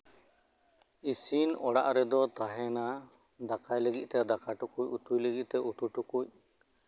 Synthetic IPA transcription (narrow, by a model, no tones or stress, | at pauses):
isinɔɽaʔɾɛd̪ɔt̪aɦɛna | d̪akajləɡit̪̚ˀt̪ɛd̪akaʈukuc̚ut̪ujləɡiʔ̪̚ˀt̪ɛut̪uʈukuc̚